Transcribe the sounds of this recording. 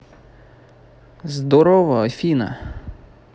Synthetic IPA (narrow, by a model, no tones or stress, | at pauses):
zd̪ɔɾɔʋɐɔfʲinɐ̰